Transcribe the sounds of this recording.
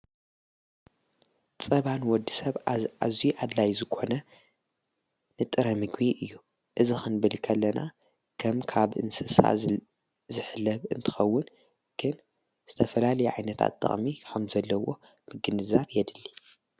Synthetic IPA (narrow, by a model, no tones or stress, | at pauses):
t͡sʼɐβanwɔd̪ːisɐβazijuʔad̪lajzɨkʰo̞nɐ | nɨt̪ʼɨɾɐmɨɡbiʔɨjːu | ʔɨzixɨnbɐlkʰɐlːɐna̰ | kʰɐmkʰaβʔɨ̰nsɨsa̰ | zɨħɨlːɐβɨ̰nt̪ʰɨ̥xɐwːʊn | ɡ̥ɨn | z̥ɨt̪ʰɐfɐlalɐjuʕajnɐt̪ʰa̰t̪t̪ʼːɐ̰χʼmikʰɐmzɐlːɐwo̞ | b̥ɨɡɨnɨzaβjɛd̪ɨlːi̥